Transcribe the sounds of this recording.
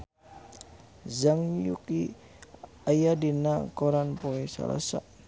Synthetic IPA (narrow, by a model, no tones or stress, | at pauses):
zaŋjuki | ajadinakɔɾanpoɛsa̰la̰sa̰